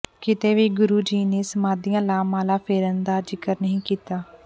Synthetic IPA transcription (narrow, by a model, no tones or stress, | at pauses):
kɪt̪eːʋiːɡʊɾuːd͡ʒiːneːsəmaːd̪ijãːlaːmãːlãːpʰeːɾənd̪aːd͡ʒɪkəɾnəɦĩːkiːt̪aː